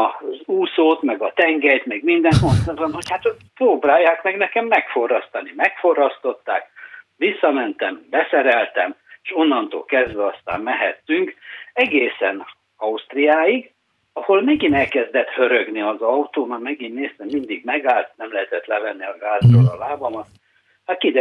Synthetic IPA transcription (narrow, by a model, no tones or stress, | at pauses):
ɒzuːsoːt̪mɛɡɒt̪ɛŋɡɛjt̪mɛɡmind̪ɛŋko̞nt̪sɛrt̪bɒnhochaːt̪proːbraːjaːkmɛɡnɛkɛmːɛkfo̞rɒst̪ɒnimɛkfo̞rɒst̪o̞t̪ːa̰ːkʋisːɒmɛnt̪ɛmbɛsɛɾɛlt̪ɛmeʃo̞nːɒnt̪o̰ːlkɛzd̪ʋɛɒst̪a̰ːmmɛɦɛt̪ːyŋkɛɡeːsɛn | ɒust̪rijaːiɡ | ɒholmɛɡinɛlkɛzd̪ɛt̪hø̞ɾøɡniɒzɒut̪oːmarmɛɡinːeːst̪ɛmːind̪iɡmɛɡaːlt̪nɛmlɛɦɛt̪ɛt̪lɛlɛnːiɒɡaːzd̪oːɾɒ̰laːbɒmɒt̪ | hat̪kid̪ɛ